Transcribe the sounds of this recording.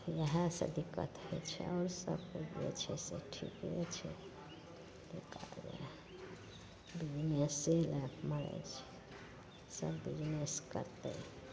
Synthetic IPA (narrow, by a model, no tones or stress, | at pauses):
jəɦə̃sə̰d̪ikːə̰t̪ɦet͡ʃʰɛ̰ɔːɾsəbkud͡ʒḛt͡ʃʰɛseʈʰḭkɦet͡ʃʰɛ̰ | lekad͡ʒe | bid͡ʒneseləməɾɛ̰t͡ʃʰɛ̥ | səbːid͡ʒneskəɾt̪ə̰